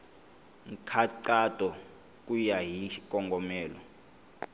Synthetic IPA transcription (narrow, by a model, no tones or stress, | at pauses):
ŋ̩kʰaǀatʼɔ | k̬ʼujaɦik̬ʼɔŋɡʱɔmɛːlɔ